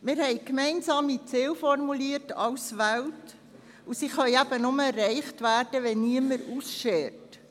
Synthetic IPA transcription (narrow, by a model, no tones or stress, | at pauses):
mɪːɾhɛɪkmɛɪnsɑːmit͡sɪwfɔɾmuliːətɑʊsʋælt | usiχœʏæb̥ənʊməɛrːɛɪχtʋæːrd̥əʋɛnniəməɾuːsʃɛːɾt